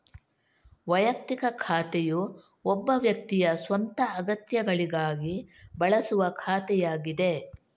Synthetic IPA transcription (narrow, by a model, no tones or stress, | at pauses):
ʋɐjɐk̚t̪ikɐkʰaːt̪ɛju | ɔbːɐʋjɐk̚t̪ijɐsʋɐnt̪ɐːɡɐt̪jɐɡɐɭiɡaːɡibɐɭɐsuʋɐkʰaːt̪ɛjaːɡid̪e̞